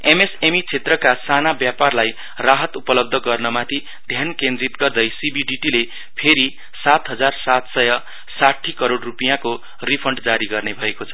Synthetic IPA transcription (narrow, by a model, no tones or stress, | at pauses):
emesemit͡sʰet̪rʌkasanabjaparlaj | raɦʌt̪upʌlʌb̚d̪ʱʌɡʌrnʌmat̪ʰi | d̪ʱjankẽnd̪rit̪ɡʌrd̪ʌjsibiɖiʈile | pʰeɾi | sat̪ɦʌd͡zarsat̪sʌjʌ | saʈʰːikʌɾoɽrupijãko | ripʰʌɳɖd͡zaɾiɡʌrnebʱʌekot͡sʰʌ̥